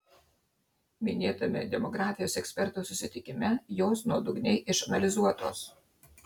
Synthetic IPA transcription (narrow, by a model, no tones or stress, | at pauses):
mʲɪnʲeːt̪ɐmʲɪ̰d̪ʲɛmɔɡɾɑːfʲɪjoːsɛksʲpʲɛɾt̪oːsʊsʲɪt̪ʲɪkʲɪmʲɛjoːsnuɔd̪ʊɡnʲɛɪʔɪʃɐnɐlʲɪzuɔt̪o̰ːs